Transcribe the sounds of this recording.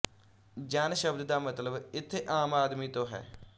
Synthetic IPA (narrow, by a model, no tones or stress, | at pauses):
d͡ʒaːnʃəbd̪d̪aːmət̪ləbɪt̪ʰːeːʔaːmaːd̪miːt̪õːɦɛ̰ː